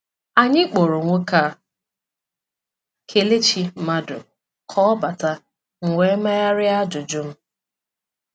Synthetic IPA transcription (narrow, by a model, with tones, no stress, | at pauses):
a˨ɲɪ˦k͡po˨ɾo˨ŋʷo˦ka˦ | kʰe˨le˦t͡ʃi˦ma˦dʊ̰˨ | kʰɔ˦ba˨ta˦ | ŋ̩˨ŋʷe˨˦ma˦ja˦ɾɪ˦a˦d͡ʒʊ˨d͡ʒʊ˦m̩˦